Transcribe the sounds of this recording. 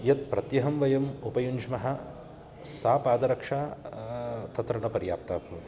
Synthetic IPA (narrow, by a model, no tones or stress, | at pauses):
jɐt̪̚pɾɐt̪jɐɦɐmʋɐjɐmupɐjuɲd͡ʒmɐɦɐ | saːpaːd̪ɐɾɐkʂaː | t̪ɐt̪ɾɐɳɐpɐɾja̰ːp̚t̪aːbʱɐʋɐt̪i